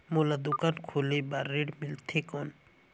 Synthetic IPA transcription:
molad̪ukankʰolebaɾːeɖmilt̪ʰekɔn

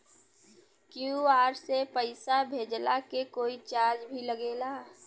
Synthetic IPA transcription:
kjuaːɾsepəɪsabʱeːd͡ʒlakekoːit͡ʃaːɾd͡ʒbʱiləɡeːla

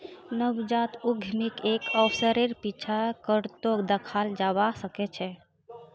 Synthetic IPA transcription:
nəbd͡ʒat̪uɡʱmikekɔpʰsəɾeɾpit͡ʃʰakəɾt̪od̪əkʰald͡ʒabasəket͡ʃʰɛ

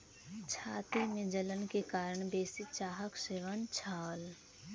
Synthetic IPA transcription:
t͡ʃʰaːt̪imẽd͡ʒələnkekaːɾəɳ̃beːsɪt͡ʃaːɦəkʃɪʋənt͡ʃʰaːl

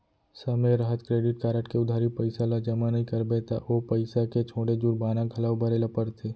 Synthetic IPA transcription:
səmẽɾəɦət̪kɾeːɖɪʈ̚kaːɾəʈkeʊd̪ʱaːɾipɐɪsalad͡ʒɐmanɐɦĩkɐɾbet̪a̰ʔoːpɐɪsaket͡ʃʰoːɽed͡ʒuɾbaːnaɡʱɐlaːwbəɾelapəɾt̪ʰeː

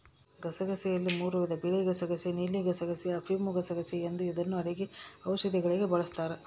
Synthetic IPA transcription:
ɡɐsɐɡɐsɛjɐlːimuːɾuʋid̪ɐbiɭiɡɐsɐɡɐsinilːiɡɐsɐɡɐsiɐpʰimuɡɐsɐɡɐsiend̪uid̪ɐnːuɐɾiɡiɐwʃɐd̪iɡɐɭiɡe̞bɐɭɐst̪aːɾe

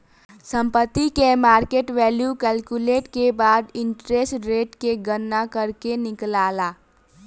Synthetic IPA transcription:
sə̃mpət̪ːikemaːɾkeːʈʋɛːljukɛːlkuleːʈkebaːd̪ɪ̃ɳʈɾeːsʈɾeːʈkeɡənːakəɾkenɪklaːlaː

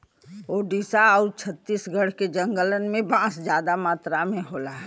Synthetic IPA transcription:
oːɖiːsaəut͡ʃʰət̪ːiːsɡəɽ̤ked͡ʒə̃ŋɡələnmẽbãːsd͡ʒjaːd̪amaːt̪ɾamẽɦoːla

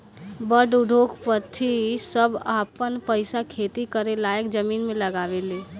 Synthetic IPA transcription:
bəɾɖuɖʱokʰpət̪ʰːisəbapənpəɪsakʰet̪ikəɾelajəkd͡ʒəmiːnmẽləɡaːʋeleː

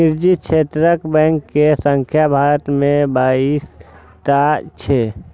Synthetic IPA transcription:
nɪɾd͡ʒiʃʰeːt̪ɾəkbɛ̃ːŋkːesə̃ŋkʰjabʱaːɾət̪mẽbaːiːs | ʈat͡ʃʰeː

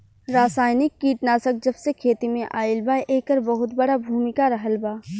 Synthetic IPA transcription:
ɾaːsaːɪnɪkːiːʈnaːsək̚d͡ʒɐbsekʰeːt̪imẽʔaːɪlbaːjʔeːkəɾbɐɦʊt̪bɐɽabʱuːmɪkaɾɐɦəlbaː

